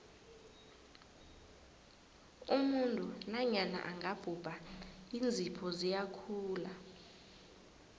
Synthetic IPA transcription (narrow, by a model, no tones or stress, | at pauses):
umuntʼunaɲana̰ʔaŋɡʱab̥ʱub̥ʱaind͡zʱipʰɔzijakʰuːla